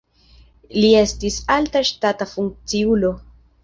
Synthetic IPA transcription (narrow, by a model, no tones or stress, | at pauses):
lie̞stisaltaʃtatafuŋk̚t͡siulo